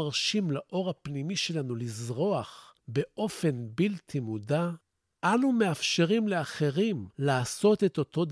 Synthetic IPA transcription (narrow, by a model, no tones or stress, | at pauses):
aʁʃimlaʔo̞ʁhapnimiʃe̞lanulizʁo̞aχbe̞ʔo̞fe̞nbilt̪ʰimuda | ʔanume̞afʃe̞ʁimleaχe̞ʁimlaːso̞t̪e̞t̪o̞t̪o̞d